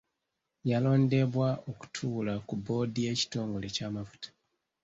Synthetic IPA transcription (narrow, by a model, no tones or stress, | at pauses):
jalo̞ːnde̞βwaoku̥tʰuːlakubo̞ːdije̞ːci̥to̞ːŋɡolecamafu̥tḁ